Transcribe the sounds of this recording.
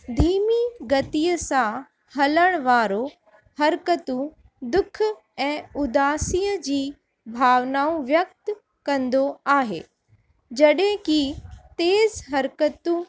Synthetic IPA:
d̪ʱiːmiɡɐt̪ijəsã | hɐləɽ̃ʋaːɾo | hɐɾkət̪ũ | d̪ʊkʰ | ɛ̃ːʊd̪aːsijəd͡ʑiː | bʱaːʋnaːũʋjɐk̚t̪ | kɐ̃nd̪oaːɦḛː | d͡ʑɐɗɦẽkit̪eːzɦɐɾkət̪ũ

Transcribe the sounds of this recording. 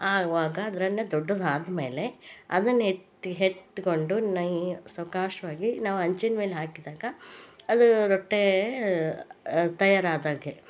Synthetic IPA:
aːʋaːɡɐɐd̪ɐɾɐnːɐd̪ɔɖːɐd̪aːd̪ɐme̞ːle̞ɐ̰d̪ɐnːɐetː | ɦet̪ːkoɳɖunɐjsɐwkaːʂɐʋaːɡinaːʋuɐɲt͡ʃinmeːleɦaːkid̪aːɡɐɐd̪uɾoʈːe | t̪ɐjaːɾaːd̪aːɡe

